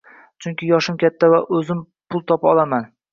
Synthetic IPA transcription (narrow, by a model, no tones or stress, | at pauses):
t͡ʃʰʊŋkʲɪjɒʃɪmkʲʰat̪ʰːavaʔɵzɪm | pʰʊlˠt̪ʰɒpɒlˠaman